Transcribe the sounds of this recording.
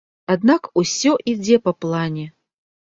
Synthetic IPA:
ad̪nakusʲɔʔid͡zʲɛpɐplˠanʲɛ

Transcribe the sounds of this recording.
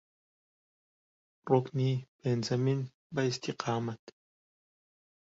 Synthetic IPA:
roknib̥enzɐmin | bɐist̪ʰiqɑːmat̪

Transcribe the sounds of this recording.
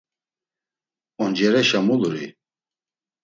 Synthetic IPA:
ɔnd͡ʒɛɾɛʃamuluɾḭ

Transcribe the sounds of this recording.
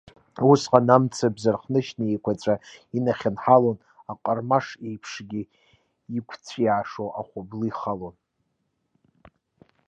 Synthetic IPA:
usqʼanamt͡sʰabzarχnɨʃnaejkʷʰat͡sʷʼainaχʲɪnħalon | aqʼərmaʂejpʰʂɡʲi | ikʷʰt͡sʷʰjaːʂowʔaχʷablɨiχalon

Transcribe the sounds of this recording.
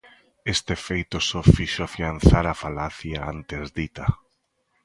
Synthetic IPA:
est̪efejt̪osofiʃoafian̟θaɾafalaθjaant̪ezd̪it̪a

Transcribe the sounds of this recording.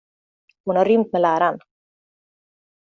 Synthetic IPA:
hunaɾʏmt̪̚mɛlæːɾan

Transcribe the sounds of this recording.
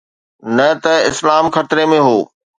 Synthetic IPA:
nɐt̪ɐɪslaːmxɐt̪ɾemẽɦoː

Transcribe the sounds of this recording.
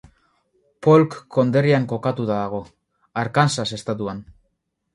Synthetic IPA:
po̞lkːʰo̞nd̪e̞riaŋko̞kat̪ut̪aðaɣ̞o̞ | aɾkansase̞st̪at̪̬uan

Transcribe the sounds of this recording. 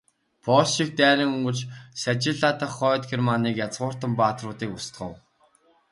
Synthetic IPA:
pʰɔʃik̚t̪æːɾʲɪ̆ŋɵŋɡɵ̆ɮt͡ɕsæt͡ɕɪ̆ɮaːt̪ʰăχːœːt̪xermaniːkjat͡sʁʊːr̥t̪ə̆mpaːt̪rʊːt̪iːkʊst̪ɢə̆w

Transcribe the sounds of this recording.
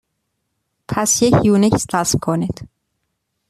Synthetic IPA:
pʰæsjecʰjuːnicʰst̪ʰasmkʰonid̪̥

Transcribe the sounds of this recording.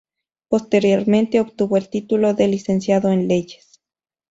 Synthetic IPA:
po̞st̪e̞ɾjo̞ɾmẽnt̪eopt̪uβoelt̪it̪ulo̞ðe̞lise̞nsjaðoenleʝe̥s

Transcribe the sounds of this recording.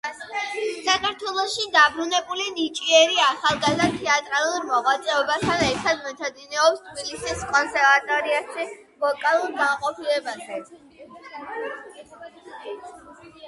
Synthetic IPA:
sakʰaɾt̪ʰwɛlˠɔʃid̪abɾunɛbulinit͡ʃʼiɛɾiaχalˠɡazd̪at̪ʰɛat̪ʼɾalˠuɾmɔʁwat̪sʼɛɔbast̪ʰanɛɾt̪ʰad̪mɛt̪ʰad̪inɛɔpst̪ʰbilisiskʼɔnsɛɾvat̪ʼɔɾiaʃi | vɔkʼalˠuɾɡamqʼɔpʰilɛbazɛ

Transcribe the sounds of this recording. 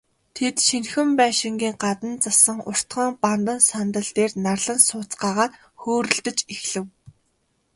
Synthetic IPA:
t̪ʰet̪ʃinxɘ̆mpæːʃɪ̆ŋɡʲiːŋɢat̪ə̆nt͡sasə̆ŋʊr̥t̪χə̆ŋpant̪ə̆nsant̪ə̆ɮt̪eːrnarɮə̆nsʊːt͡sɢaːʁaːt̪ | xoːɾɵ̆ɮt̪ɘ̆t͡ɕixɮɘ̆w

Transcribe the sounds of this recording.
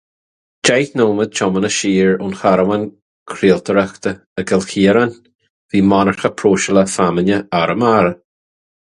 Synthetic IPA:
d͡ʒejθnoːməd̪̚t͡ʃʰɔmənəʃiːɹʊnxaɾəwən | kʰɾiːlt̪ʰəɾəxt̪ə | əɡəlxiːɾən | viːmɔnəɹxəpʰɾoːʃələfamənʲəaɾəmaɾə

